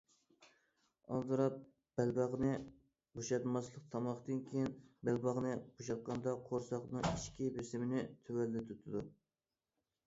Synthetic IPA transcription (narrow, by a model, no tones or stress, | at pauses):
ɑ̰lˠd̪ɨɾɑp̚ | b̥ælbɑʁnɨ | boʃɑt̪mɑslˠəqt̪ʰɑmɑχt̪ɨnkʲʰejinbælbɑʁnɨboʃɑt̪̚qʰɑnd̪ɑqʰoɾsɑqnɨŋiʃkʲibesɪmɪnɪt̪ʰøwælːɪt̪ʰut̪ʰɨd̪u